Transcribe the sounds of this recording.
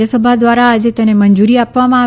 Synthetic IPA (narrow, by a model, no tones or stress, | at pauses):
asəbʱad̪ʋaɾaːd͡ʒet̪ənemənd͡ʒuɾiapʋamãa